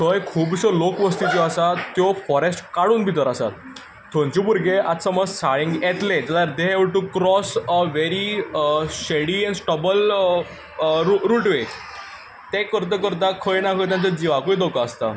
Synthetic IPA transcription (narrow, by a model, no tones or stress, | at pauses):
t̪ʰəjkʰuːbsəlokʋəst̪it͡ɕɔasat̪ːjɔfɔɾesʈkaɽuːnbʱit̪əɾasa̰t̪ | t̪ʰːõnt͡ɕibuɾɡeat̪səməd͡zsaɭĩŋɡɛt̪led͡ʑ̪at̪aɾd̪eɦeʋɭʈukɾɔsʋeɾi | ɕeɽiɛnsʈəbəl | ɾuɾuʈʋe | t̪ekəɾt̪̬əkəɾt̪̬akʰəɭnakʰət̪jãnt͡səd͡ʑiʋakoid̪okaːst̪a̰